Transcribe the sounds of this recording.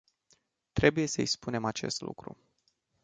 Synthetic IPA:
t̪ɾe̞buje̞səispune̞mat͡ʃe̞̰st̪lṵkɾṵ

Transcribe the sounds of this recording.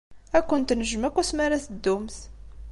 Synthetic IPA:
ækʷːənt̪nəʒəmækʷːæsmæɾæsəd̪ːumθ

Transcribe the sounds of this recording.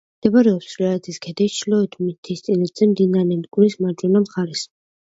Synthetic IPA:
d̪̥ɛbaɾɛɔpsvlaɾɛt̪ʰiskʰɛd̪ɛst͡ʃʰlɔɛt̪ʰmit̪ʰist̪sʼinad̪zɛmd̪inaɾnɛnkʼuɾismaɾt͡ʃʼunamχaɾɛs

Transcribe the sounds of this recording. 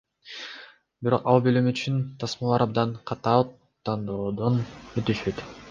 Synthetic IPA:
biɾo̞̰qɑlˠbølymyt͡ʃʰynt̪ʰɑsmɑlˠɑɾɑb̚d̪ɑnqʰɑt̪ɑ | t̪ːɑnd̪oːd̪onøt̪yʃøt̪

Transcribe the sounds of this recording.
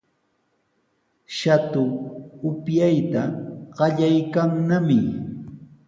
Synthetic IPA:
ʃat̪ʊʊpjajt̪aɢ̥ɑʎajkaŋnamɪ

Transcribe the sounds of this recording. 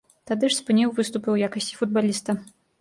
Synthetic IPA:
t̪ad̪ɨʂspɨnʲiwvɨst̪upɨwjakɐsʲt͡sʲi̥fud̪̚balʲist̪ɐ

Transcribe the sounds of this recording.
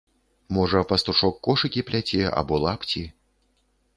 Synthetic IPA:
mɔʐɐpɐst̪uʂɔkːɔʂɨkʲiplʲat͡sʲɛʔa̰bɔlˠapt͡sʲi

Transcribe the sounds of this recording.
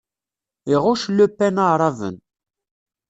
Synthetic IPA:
iʁʊʃlːupːænaɾˤɑvə̰n

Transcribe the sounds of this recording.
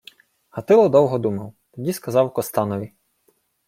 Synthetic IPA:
hɐt̪ɪlˠɔd̪ɔwɦɔd̪umɐwt̪ɔdʲiskɐzɑwkɔst̪ɑnɔʋʲi

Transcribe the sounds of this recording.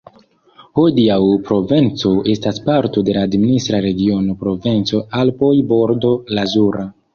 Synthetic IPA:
hodiawpɾo̞vent͡so̞e̞staspaɾto̞de̞laːdministɾaɾe̞ɡio̞no̞pɾo̞vent͡so̞alpo̞jbo̞ɾdo̞lazuɾa

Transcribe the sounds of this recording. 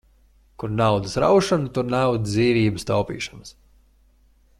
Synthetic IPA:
kuɾnawd̪ɨsɾa̰wʃanut̪uɾnawd̪zd̪iːviːbɨst̪a̰wpḭːʃans

